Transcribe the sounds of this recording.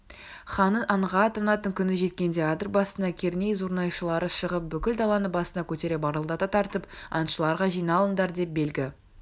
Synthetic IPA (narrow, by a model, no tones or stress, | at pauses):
χɑnəʔɑɴʁɑːt̪ɑnɑt̪əŋkʲʰʏnɪʒe̞t̪̚kʲe̞nd̪e̞ɑd̪əɾbɑsənɑkʲʰe̞ɾne̞jzuɾnɑjʃəlˠɑɾəʃəʁəp̚bʏkʲɪld̪ɑlˠɑnəbɑsənɑkʲʰɵt̪e̞ɾe̞pɑɾəlˠd̪ɑt̪ɑt̪ʰɑɾt̪əpɑ̰nʃəlˠɑɾʁɑʒijnɑlˠənd̪ɑɾd̪e̞p̚be̞lɡʲɪ